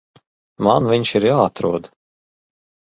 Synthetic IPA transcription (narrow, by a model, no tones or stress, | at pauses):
manvʲiɲʃiɾjaːat̪ɾuɔd̪